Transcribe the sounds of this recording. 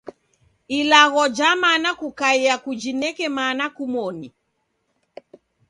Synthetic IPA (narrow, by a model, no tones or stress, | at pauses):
ilaɣɔd͡ʒamanakukaiakud͡ʒinɛkɛmanakumɔni